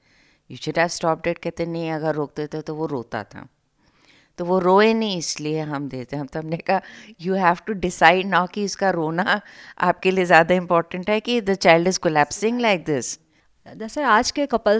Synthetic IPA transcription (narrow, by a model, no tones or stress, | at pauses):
juːʃʊɖɦɛʋsʈɔːp̚ɖeːʈ̚kɛɦt̪ẽnɐɦĩɐɡəɾːoːk̚d̪et̪et̪oʋoɾoːt̪a̰t̪ʰa̰ | t̪oʋoɾoːẽnɐɦĩɪslieɦɐmd̪eːt̪ẽɦɐmt̪oɐmnekɐɦajuːɦæːfʈuɖɪsaɪɖ̚naʊkiʊskaɾoːnaa̰ːp̚keliezjaːd̪aɪ̃mpɔːɾʈə̃ɳʈɦɛkid̪ət͡ʃaɪlɖɪzkɔlæːpsɪ̃ŋɡlaɪk̚d̪ɪs | d̪asɐɾaːd͡ʒkekɐpəl